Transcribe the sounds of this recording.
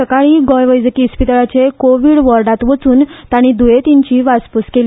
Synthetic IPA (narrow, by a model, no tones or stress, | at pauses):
əkaɭiːɡɔjʋəjd͡zəkispit̪aɭat͡ɕekoʋiɽʋəɾɖat̪ʋət͡suːnt̪aɽ̃id̪uet̪iɲt͡ɕiːʋaspuskeli